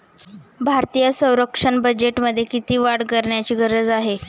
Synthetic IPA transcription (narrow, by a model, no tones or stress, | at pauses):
bʱaɾt̪ijəsə̃w̃ɾəkʂəɳbəd͡ʑeʈməd̪ʱːjekit̪iːʋaɽkəɾɳjat͡ɕiːɡəɾəd͡zaɦe